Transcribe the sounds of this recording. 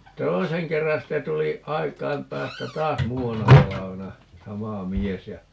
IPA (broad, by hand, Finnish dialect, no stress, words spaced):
toiseŋ kerːɑn̞ sitːe tuli ɑikˑɑim pæːstæ tɑːs muːɑnːɑ tɑlɑʋenɑ sɑmɑ mies jɑ